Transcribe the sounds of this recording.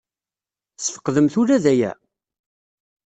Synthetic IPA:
sfə̥qːðəmθʊɾæðæjæ̰

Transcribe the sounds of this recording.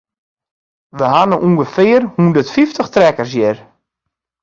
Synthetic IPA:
ʋəɦanəʔuŋɡəfɪːərhundərtfiftəxtrɛkərs̬jɪr

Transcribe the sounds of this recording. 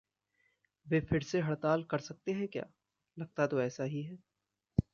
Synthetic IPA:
ʋeːfʰɪɾseɦɐɽt̪aːlkɐɾsɐk̚t̪eɦɛ̃kja̰ː | lɐɡ̚t̪at̪oɛːsaɦiɦɛː

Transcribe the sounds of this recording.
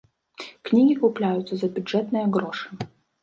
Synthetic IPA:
knʲiɡʲikuplʲajʊt̪sːɐzɐbʲuɛt̪nɨjɛɡɾɔʂɨ̥

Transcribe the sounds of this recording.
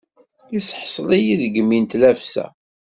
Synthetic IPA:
isħsˤlijiðɡəmːint̪læfsæ̰

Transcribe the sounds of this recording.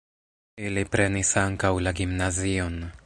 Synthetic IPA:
ilipɾenisaŋkawlaɡimnazion

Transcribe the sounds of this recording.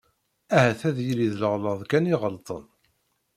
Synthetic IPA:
æhæθæðjiliðləʁləðˤkæniʁəlt̪ˤə̰n

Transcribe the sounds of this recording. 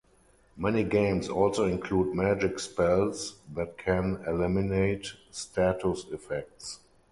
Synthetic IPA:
mɛniɡẽɪ̃msɔlsoɪ̃nkʰluːdmæd͡ʒɪkspɛlsðæt̚kʰɛ̃nɛlɪmɪneɪtstʰatʰʊsɪfɛk̚ts

